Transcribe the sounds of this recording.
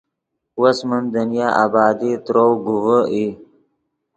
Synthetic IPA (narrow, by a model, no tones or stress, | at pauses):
wəsmənd̪ənijaʔa̰bɑːd̪it̪ɾowɡuwəi